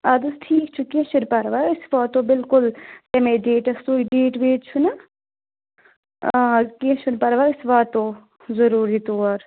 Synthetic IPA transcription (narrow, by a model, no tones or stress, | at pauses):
ɐd̪ɨsʈʰiːkt͡ʃʰukẽʃuɾpɐɾʋaːɪsʋaːt̪ːobɪlkʊltɐmeɖeːʈɐst̪uːiɖeːʈʋeːtt͡ʃʰuna | kẽʃunpɐɾʋaːɪsʋaːt̪ːo | zɐɾuːɾit̪oːɾ